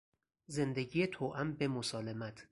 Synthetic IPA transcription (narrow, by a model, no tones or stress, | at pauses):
ze̞nd̪eɟijet̪ʰoːʔæmbemosɒːlemæt̪ʰ